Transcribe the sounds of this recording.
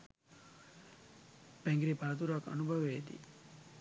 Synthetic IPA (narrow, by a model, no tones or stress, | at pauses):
pɛŋɡɾipaːt̪uɾakːa̰nubʱaʋed̪ḭ